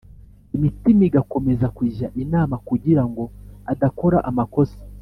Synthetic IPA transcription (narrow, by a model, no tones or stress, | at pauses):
imitimiɡakomezakwiʒaʔinamakuɟiɾaŋɡoadakoɾa̰ʔamakosi̥